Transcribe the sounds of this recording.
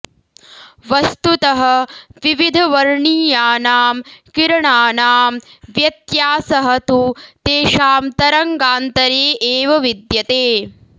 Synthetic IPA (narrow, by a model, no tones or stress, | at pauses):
ʋɐst̪ut̪ɐɦɐ̆ʋiʋid̪ʱɐʋɐɾɳiːjaːnaːmkiɾɐɳaːnaːmʋjɐt̪jaːsɐɦɐ̆t̪ut̪eːʃaːmt̪ɐɾɐŋɡaːnt̪ɐɾeːʔeːʋɐʋid̪jɐt̪eː